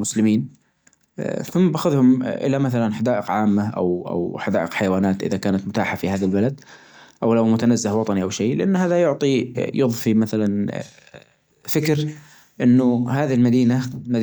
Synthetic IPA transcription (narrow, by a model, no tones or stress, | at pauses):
mʊslɪmiːn | θʊmːbaxʊðhʊmʔɪ̰lamaθalanħad̪aːʔɪqʕaːmːaʔa̰wʔa̰wħad̪aːʔɪqħajawaːnaːt̪ʔɪ̰ðakaːnat̪mʊt̪a̰ːħafihaːðalbalad̪ | ʔawlawmʊt̪anazːɪhwɑt̪ˤɑniʔawʃeːlɪʔanːhaːðajʊʕt̪ˤijɨðˤfimaθalan | fɪkɾ | ʔɪnːʊɦaːðilmad̪iːnamad̪